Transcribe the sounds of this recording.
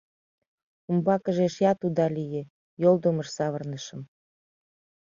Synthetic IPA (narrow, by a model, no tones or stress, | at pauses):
umbɑkə̆ʒeʃjɑt̪ud̪ɑlije | jold̪oməʃsɑβɤrnəʃə̆m